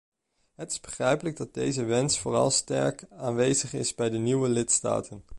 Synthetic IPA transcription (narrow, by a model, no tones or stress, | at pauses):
ɦətɪ̥zbəχrɛjpələɡ̚dɑd̚dejzəʋɛnsfʊːrɑ̰lˠstɛ̰ɹkaːnʋejzəχɪ̰zbɛjdəniwəlɪtsta̰ːtʰən